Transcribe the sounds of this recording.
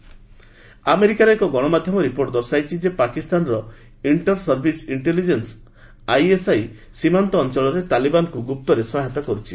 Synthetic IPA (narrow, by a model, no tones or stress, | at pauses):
ameɾikaɾɔekɔɡɔɽ̃ɔmad̪ʱjɔmɔɾipoɾʈd̪ɔɾsajt͡ʃʰid͡ʒepakist̪anɾɔ | iɳʈɔɾsɔɾbʱisiɳʈelid͡ʒens | ajesaj | simant̪ɔːnt͡ʃɔɭɔɾet̪alibanɔkuɡup̚t̪ɔɾesɔɦet̪ɔkɔɾut͡ʃʰi